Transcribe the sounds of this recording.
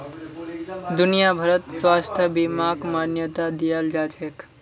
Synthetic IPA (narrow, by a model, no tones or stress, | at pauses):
d̪unijabʱəɾət̪swast̪ʰjəbimakmanjət̪ad̪ijald͡ʒat͡ʃʰek